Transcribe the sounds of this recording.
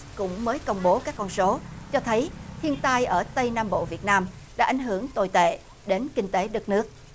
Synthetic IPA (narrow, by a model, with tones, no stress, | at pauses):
kʊ̰˧˥ŋ͡mməː˨˦jkə˧wŋ͡mɓo˨˦kaː˦˥kːɔ˧nso˨˦t͡ɕɔ˧t̪ʰə˨˦jt̪ʰi˧ənt̪aː˧jʔəː˧˩t̪ə˧jnaː˧mɓo̰˧˨vi˨˩ət̚naː˧m | ɗa̰ː˧˥ʔa˧˩jŋ̟ɦɨ˧˩əŋt̪o̰˧˨˩jt̪ḛ˧˨ | ɗe˨˦nkï˧ŋ̟t̪e˨˦ɗɨ˨˥k̚nɨ˦˥ək̚